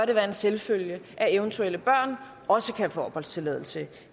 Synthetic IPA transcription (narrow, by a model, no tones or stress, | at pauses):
ɐɾe̝ʋæːɐe̝nselføljəʔæeʊnt͡sʰuel̰əb̥ɶɐ̰n | ɒ̽səkʰæfɒːb̥ɒ̽l̰d̥st͡sʰe̝lɛ̰ːð̞ˠl̩sə